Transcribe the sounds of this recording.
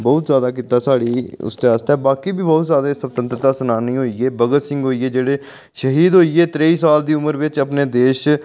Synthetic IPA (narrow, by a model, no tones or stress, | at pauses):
bɔːt̪zjaːd̪aːk̬iːt̪aːsaːɽiːʊ̰st̪eːaːst̪eːbaːkiːbiːbɔːt̪zjaːd̪eːsəbt̪ə̃nt̪ɾət̪aːsənaːniːɦoːiːeːbəɡət̪sɪ̃ŋɡɦoːiːeːd͡ʒeːɽeː | ʃəɦiːd̪ɦoːiːeːt̪ɾeːiːsaːld̪iːʊməɾʋɪt͡ʃəpneːd̪eːʃ